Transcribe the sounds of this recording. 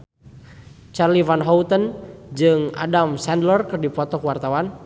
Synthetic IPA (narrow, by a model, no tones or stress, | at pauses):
t͡ʃarlivanɦɔwt̪ənd͡ʒɨŋa̰damsɛndlərkɨrdipɔt̪ɔkəwart̪awan